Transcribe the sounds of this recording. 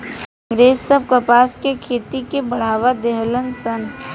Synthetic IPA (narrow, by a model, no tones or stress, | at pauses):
kə̃ŋɡɾeːsːəb̚kəpaːskekʰeːt̪ikebɐɽ̤aːʋad̪eɦlənsən